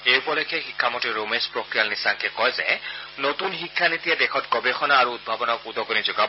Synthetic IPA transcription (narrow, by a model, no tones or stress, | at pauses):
ejpɔlɔjkʰɛxikʰːamɔtiɹomespɹokɹijalnisaŋkɛkɔjzɛ̰notunxikʰːanit̪ijadɛxɔtɡɔbexɔnaːɹuːd̚bʱabɔnakudɔɡonizʊɡab